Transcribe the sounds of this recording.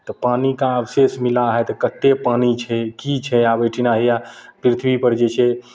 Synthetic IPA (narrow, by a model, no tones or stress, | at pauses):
t̪ɔpanikãəbsesmilaɦɛt̪ɔkət̪ːepanit͡ʃʰɛkit͡ʃʰɛabəʈʰinaɦijapɾit̪ʰbipəɾd͡ʒet͡ʃʰɛ